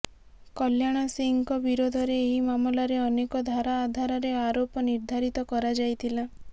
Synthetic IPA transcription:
kɔljaɽ̃asiŋkɔbiɾod̪ʱɔɾeːɦimamɔlaɾeɔnekɔd̪ʱaɾaːd̪ʱaɾaɾeaɾopɔniɾd̪ʱaɾit̪ɔkɔɾad͡ʒajt̪ʰila

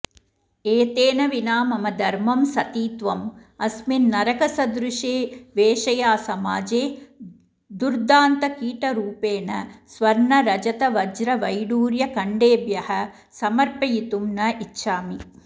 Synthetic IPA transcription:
eːt̪eːnɐʋinaːmɐmɐd̪ʱɐɾmɐmsɐt̪iːt̪ʋɐmɐsminːɐɾɐkɐsɐd̪ɾuʂeːʋeːʂɐjaːsɐmaːd͡ʒeː | d̪uɾd̪aːnt̪ɐkiːʈɐɾuːpeːnɐsʋɐɾɳɐɾɐd͡ʒɐt̪ɐʋɐd͡ʒɾɐʋɐjɽuːɾjɐkɐɳɖeːbjɐhɐ | sɐmɐɾpɐjit̪umnɐʔitːʃʰaːmi

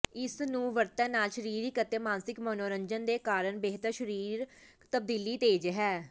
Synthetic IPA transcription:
ɪsnũːʋəɾt̪ãːnaːlʃəɾiːɾiːkət̪ːeːmaːnsɪkmoːnoːɾəɲd͡ʒənd̪eːkaːɾəɳbeːɦt̪əɾʃəɾiːɾ | t̪əb̚d̪iːliːt̪eːd͡ʒɦɛː

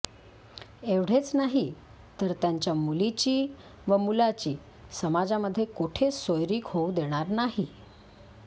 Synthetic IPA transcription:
eʋɽ̤et͡snaɦi | t̪əɾt̪jaɲt͡ɕjamulit͡ɕiː | ʋəmulat͡ɕiː | səmad͡zaməd̪ʱːjekuʈʰesojɾiːkhoud̪eɽ̃aɾnaɦi

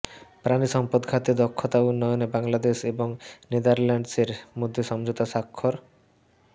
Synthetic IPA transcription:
pɾaniʃɔmpod̪ɡʰʱat̪id̪ɔkʰːot̪aunːɔjonebaŋlad̪eʃeboŋned̪aɾlaɳɖseɾmod̪ʱjoʃɔmd͡ʑot̪asakʰːoɾ

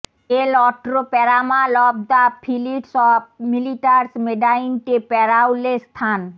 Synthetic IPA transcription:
elɔʈɾopɛɾamalɔb̚d̪apʰiliʈsɔb̚miliʈaɾsmeɖainʈepɛɾawlest̪ʰan

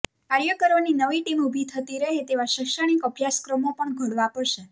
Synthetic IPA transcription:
kaɾjəkəɾoninəʋiʈimubʱit̪ʰət̪iɾəɦet̪eʋaʃəkʃəɽ̃ikəbʱjaskɾəmopəɳɡʱəɽʋapəɾʃe

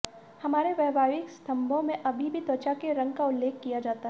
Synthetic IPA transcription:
hɐmaːɾeʋɛːbʱaːʋɪkst̪ʰɐ̃mbʱõmẽʔɐbʱibʱit̪ɔːt͡ʃakeɾɐ̃ŋɡkaʊlːeːkkːijad͡ʒaːt̪aɦ

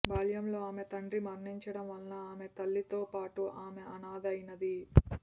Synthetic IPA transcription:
baːljɐmlo̞ːaːmet̪ɐɳɖɾimɐɾniɲt͡ʃɐɽɐmʋɐlnɐaːme̞t̪ɐlːit̪o̞ːpaːʈuʔaːmeɐnaːd̪ɐjinɐd̪i

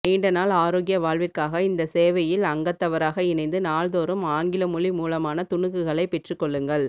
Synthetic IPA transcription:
niːɳɖɐnaːlaːɾoːɣɪjɐʋaːɭʋɪrkaːɣɐɪnd̪ɐseːʋɐjɪlɐŋɡɐt̪ːɐʋɐɾaːɣɐɪnɐɪnd̪ɯnaːɭðoːɾɯmaːŋɡɪlɐmʊɭimuːlɐmaːnɐt̪ʊɳɯɣɯɣɐɭɐɪpɛʈrɯkːɔɭːɯŋɡɐɭ

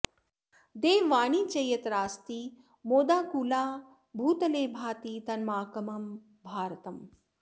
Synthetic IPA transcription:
d̪eːʋʋaːɳiːt͡ʃɐjɐt̪ɾaːst̪iː | moːd̪aːkulaː | bʱuːt̪ɐleːbʱaːt̪iːt̪ɐnmaːkɐmɐm | bʱaːɾɐt̪ɐm

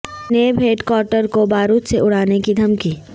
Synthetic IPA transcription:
nebɦeːʈkwɔːɾʈəɾkobaːɾuːt̪seʔʊɽ̤aːnekid̪ʱɐmkiː

